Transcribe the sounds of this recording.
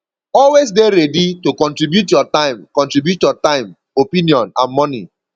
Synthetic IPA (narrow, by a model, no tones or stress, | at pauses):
ɔlwes̬deɾeditokɔ̃ntɹibjutjɔtãɪ̃mkɔ̃ntɹibjutjɔtãɪ̃m | opiniɔ̃nãnmɔnḭ